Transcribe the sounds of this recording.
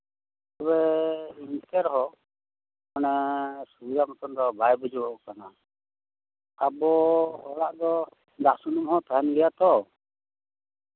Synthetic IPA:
tɔβɛint̪ɛɾɦɔ | mɔnɛsubid̪amɔt̪ɔnd̪ɔbajbɔd͡ʒɔbɔʔɔkana | abɔɔɾaʔd̪ɔ | d̪asunumhɔt̪aɦɛnɡɛjat̪ɔ

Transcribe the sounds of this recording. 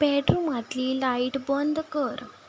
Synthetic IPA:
pɛʈɾumat̪liːlaiʈbɔnd̪kəɾ

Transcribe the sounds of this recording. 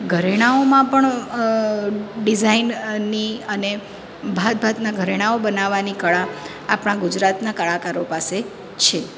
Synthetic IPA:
ɡʱəɾeɽ̃aomãpəɳ | ɖizainːiəne | bʱad̪̚bʱat̪naɡʱəɾeɽ̃aobənaʋanikəɭa | apɽ̃ãɡud͡ʒɾat̪nakəɭakaɾopase | t͡ʃʰe

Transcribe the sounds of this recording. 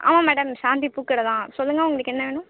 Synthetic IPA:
ʔa̰ːmãːmɛːɽɐmʃãːnt̪ipuːkːɪɽɐt̪ãːsɔlːɯŋɡɐːʊŋɡɐɭɯkːɛnːɐʋeːɳʊ̃

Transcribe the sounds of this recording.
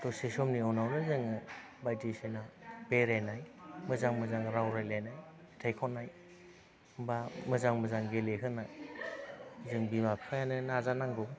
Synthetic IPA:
tɔsesɔmniɔwnawnɯzɯŋɯ | bajtesenabeɾajnajmɯzaŋmɯzaŋɾawɾajlajnaj | tʰajkʰɔnːaj | bamɯzaŋmɯzaŋɡelekʰɯna | zɯŋbimakʰajanɯnazanaŋdɔ

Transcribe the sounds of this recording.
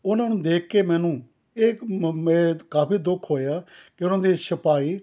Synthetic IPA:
ʊnãːnũːd̪eːkʰkeːmɛ̃ːnũː | eːmɛ̃ːkaːpiːd̪ʊkʰɦoːjaːkɪʊnãːd̪iːsəpaːiː

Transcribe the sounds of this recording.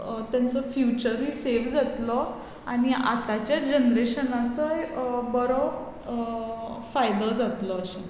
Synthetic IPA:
t̪jant͡sɔfjut͡ɕəɾɦiːseʋd͡zat̪lɔ | aɽ̃ia̰t̪at͡ɕjad͡ʑənɾeɕənat͡sɔjbəɾɔ | fajd̪əd͡zat̪lɔːɕẽ

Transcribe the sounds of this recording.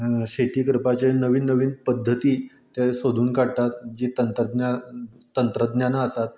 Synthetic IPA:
ɕet̪iːkəɾpat͡ɕenəʋiːnːəʋiːnpəd̪ʱːət̪iː | t̪jasod̪ʱuːnkaɽt̪at̪d͡ʑiːt̪ənt̪əd̪na | t̪ənt̪ɾəd̪njanaəsat̪

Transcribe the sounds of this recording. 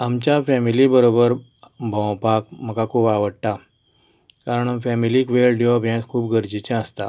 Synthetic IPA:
amt͡ɕjafɛmilibəɾobəɾ | bʱə̃wpak̚məkakʰuːpaʋəɽʈa | kaɾəɳamfɛmiliːkʋelɖjopjãt̪kʰuːpɡʱəɾd͡ʑit͡ɕɛ̃əst̪a̰

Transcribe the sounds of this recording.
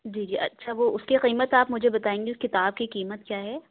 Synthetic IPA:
d͡ʒiːd͡ʒiːʔɐ̰tːʃʰaʋoʊskiqiːmət̪aːpmʊd͡ʒʱebɐt̪aːẽːŋɡeʊskɪt̪aːb̚kiqiːmət̪̚kjaːɦɛː

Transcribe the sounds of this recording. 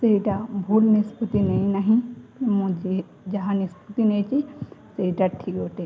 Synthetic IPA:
seɦiʈabʱuːlnispət̪ineĩnaɦĩmõd͡ʒi | d͡ʒɐɦãnisput̪ineːt͡ʃiseɦiʈaʈʰikoʈe

